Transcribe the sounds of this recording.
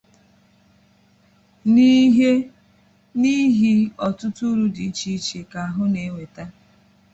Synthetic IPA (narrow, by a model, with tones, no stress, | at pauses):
ni˦ɦe˦ | ni˦ɦi˦ɔ˨tʊ˦tu˦ɾu˦di˨i˦t͡ʃi˦t͡ʃe˨ka˨a˨ɦʊ˦ne˨˦ŋʷe˨ta˦